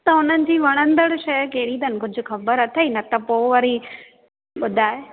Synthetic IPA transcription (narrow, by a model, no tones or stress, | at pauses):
t̪ɐɦʊn̤ənɪ̆d͡ʑiːʋɐɽ̃ə̃nd̪əɽʃɐjkɐɦɪɽid̪ɐnɪ̆kʊd͡ʑʱʊ̆xɐbəɾɐt̪ʰainɐt̪ɐpoːʋɐɾi | ɓʊd̪ʱaːe